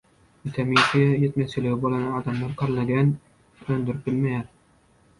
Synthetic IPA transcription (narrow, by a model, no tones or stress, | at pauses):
ɪt̪ʰamit̪ʰijet̪mat͡ʃɪlɪɡʲɪbolˠanɪɑːd̪amlaɾqʰɑɾlˠaɡʲan | ønd̪ɪɾɪp̚bɪlmajaɾ